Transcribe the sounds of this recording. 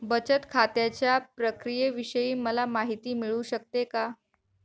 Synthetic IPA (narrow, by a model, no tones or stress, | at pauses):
bət͡ɕət̪kʰat̪jat͡ɕjapɾəkɾijeʋiɕəjiːməlamaɦit̪iːmiɭuːɕək̚t̪eka